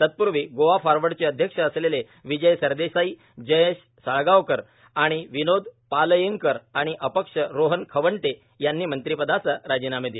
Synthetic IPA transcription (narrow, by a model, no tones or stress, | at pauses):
t̪ət̪̚puɾʋiːɡoʋafaɾʋəɽt͡seəd̪ʱjəkʂəːslele | ʋid͡ʑəjsəɾd̪esai | d͡ʑəjəɕ | səɭɡaʋkəɾ | aɽ̃iʋinod̪ʱpaləjəŋkəɾaɽ̃iʔəpəkʂəɾoɦənkʰəʋəɳʈ̪e | janːiːmənt̪ɾipəd̪asəɾad͡ʑinamed̪i